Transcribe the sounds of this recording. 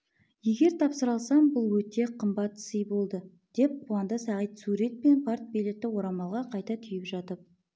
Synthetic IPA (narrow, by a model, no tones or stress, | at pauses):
je̞ɡʲe̞ɾt̪ʰɑpsəɾɑlˠsɑmbʊlˠwɵt̪e̞qʰəmbɑt̪səjbo̞lˠd̪ə | d̪̥e̞p̚qʰuɑnd̪əsæʁijt̪suɾe̞t̪̚pe̞npʰaɾt̪̚bejlek̚t̪ːɪwo̞ɾɑmɑlˠʁɑqʰɑjt̪ɑt̪ʰʏjɪpʒɑt̪əp̚